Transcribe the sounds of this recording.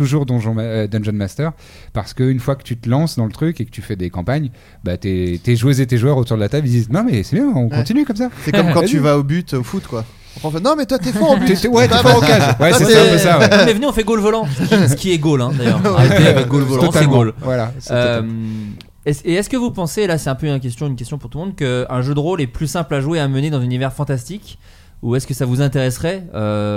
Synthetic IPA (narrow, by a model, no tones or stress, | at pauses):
t̪uʒuʁd̪ɔ̃ʒɑ̃maød̪ɑ̃nʒɔnmast̪œʁ | paʁsə̥kəynfwakə̥t̪yt̪əlɑ̃sd̪ɑ̃lət̪χykekə̥t̪yfɛd̪ekɑ̃paɲ | bat̪et̪eʒwəzet̪eʒwœʁot̪uʁd̪əlat̪ablild̪iznɔ̃mɛsɛbjɛ̃ɔ̃kɔ̃t̪inykɔmsasɛɔmkɑ̃t̪yvaobyt̪ofut̪kwa | ɔ̃pɑ̃fɛnɔ̃mɛt̪wat̪ɛfɔ̃obytt̪wɛt̪ifɔokazwɛ̃sɛaɛsawmɛvəneɔ̃fɛɡolvɔlɑ̃səisəkʲiɛɡolɛ̃d̪ajœʁaeeavɛk̚ɡolvɔl̃saɛɡolvwalasøm | ɛseɛskəvupɑ̃seːlasɛt̪ɛ̃pøk̬ʲɛst̪jɔ̃ynkʲɛst̪jɔ̃puʁt̪ulmɔ̃d̪̚kəɛ̃ʒød̪əʁolɛplysɛ̃plaʒweaməned̪ɑ̃zynivɛʁfɑ̃t̪ast̪ik | uɛskəsavuzɛ̃t̪eʁɛsχɛø